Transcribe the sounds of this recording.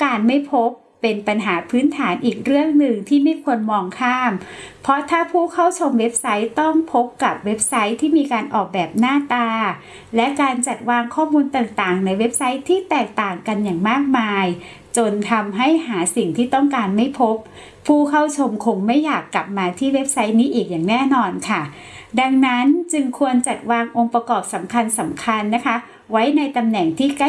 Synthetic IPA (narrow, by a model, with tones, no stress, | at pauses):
kaː˧nma˥˩jpʰo˦˥pːe˧npa˧nɦaː˩˦pʰɯː˨˦˥nt̪ʰaː˩˦nʔiː˨˩k̚ɾɯ˥˩əŋnɯ˨˩ŋt̪ʰiː˥˩ma˥˩jkʰu˧ənmɔː˧ŋkʰaː˥˩mpʰɾɔ˦˥t̪ʰaː˥˩pʰuː˥˩kʰa˥˩wt͡ɕʰo˧mwe˦˥p̚sa˦˥jt̪ɔ˥˩ŋpʰo˦˥p̚ka˨˩p̚we˦˥p̚sa˦˥jt̪ʰiː˥˩miː˧kaː˧nʔɔː˨˩k̚bɛː˨˩p̚naː˥˩t̪aː˧ | lɛ˦˥ʔkaː˧nt͡ɕa˨˩t̪̚waː˧ŋkʰɔː˥˩muː˧nt̪aː˨˩ŋt̪aː˨˩ŋna˧jwe˦˥p̚sa˦˥jt̪ʰiː˥˩t̪ɛː˨˩k̚t̪aː˨˩ŋka˧njaː˨˩ŋmaː˥˩k̚maː˧j | t͡ɕo˧nt̪ʰa˧mɦa˥˩jɦaː˩˦si˨˩ŋt̪ʰiː˥˩t̪ɔ˥˩ŋkaː˧nma˥˩jpʰo˦˥p̚ʰː | uː˥˩kʰa˥˩wt͡ɕʰo˧mkʰo˧ŋma˥˩jːaː˨˩kːla˨˩p̚maː˧t̪ʰiː˥˩we˦˥p̚sa˦˥jniː˦˥ʔiː˨˩k̚jaː˨˩ŋnɛː˥˩nɔː˧nkʰa˥˩ | da˧ŋna˦˥nt͡ɕɯ˧ŋkʰu˧ənt͡ɕa˨˩t̪̚waː˧ŋʔo˧ŋpa˧kɔː˨˩p̚sa˩˦mkʰa˧nsa˩˦mkʰa˧nːa˦˥kʰa˦˥ | wa˦˥jna˧jt̪a˧mnɛ˨˩ŋt̪ʰiː˥˩ka˥˩